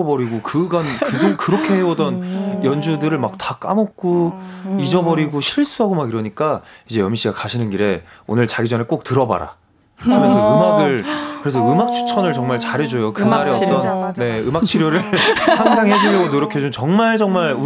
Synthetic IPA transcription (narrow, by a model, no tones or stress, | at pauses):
obʌɾiɡokɯɡankɯɡunkɯɾʌkʰe̞ɦewodʌnjʌnd͡ʑudɯɾɯɭmak̚tak͈a̰mok̚k͈oid͡ʑʌbʌɾiɡoɕʰiɭs͈uɦaɡomaɡiɾʌɲik͈aid͡ʑe̞jʌmiɕ͈ʰiɡakaɕʰinɯnɡiɾe̞o̰nɯɭt͡ɕaɡid͡ʑʌnek͈ok̚tɯɾʌba̰ɾa̰ | kɯɾesʰʌɯmaɡɯɭkɯɾe̞s̬ʰʌɯmak̚t͡ɕʰu̥t͡ɕʰʌnɯɭt͡ɕʌŋmaɭt͡ɕaɾɦe̞d͡ʑojokɯnaɾeʌt͈ʌnnːe̞ɯmak̚t͡ɕʰiɾjoɾɯɭhaŋsʰaŋɦed͡ʑijoɡonoɾjʌkʰed͡ʑut͡ɕʌŋmaɭd͡ʑʌŋmaɭu